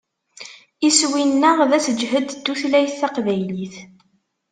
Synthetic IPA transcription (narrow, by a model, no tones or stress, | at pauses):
iswinːəʁðæsəd͡ʒhəd̪d̪̥ːuθlæjθːæqvæjliθ